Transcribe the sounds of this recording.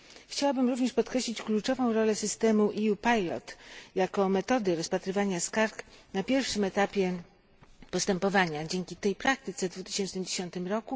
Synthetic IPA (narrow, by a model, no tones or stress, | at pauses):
xt͡ɕawabɘmɾuvɲɛʂpɔt̪̚kɾɛɕlʲit͡ɕklut͡ʂɔvɔ̃w̃ɾɔlɛsɘst̪ɛmuʔijupajlɔ̰t̪jakɔmɛt̪ɔd̪ɘɾɔspat̪ɾɘvaɲaskaɾknapʲjɛɾfʂɘmɛt̪apʲjɛ | pɔst̪ɛmpɔvaɲad͡ʑeŋkʲit̪ɛjpɾak̚t̪ɘt̪sɛvd̪vut̪ɘ̥ɕɛnt͡ʂnɘmd͡ʑeɕɔnt̪ɘmɾɔku